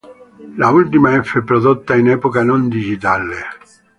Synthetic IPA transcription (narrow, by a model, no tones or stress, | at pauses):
lault̪imaɛfːepːɾod̪ot̪ːainɛpokanond̪id͡ʒit̪ale